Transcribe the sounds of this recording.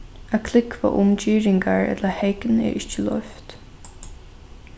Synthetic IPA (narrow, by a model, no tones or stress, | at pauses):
akʰlɪkva̰ːʔʊmt͡ʃiːɹɪŋɡaɹɛ̰t̪ləhɛɪkənɛ̰ːɹʔɪt͡ʃːəlœ̰ft̪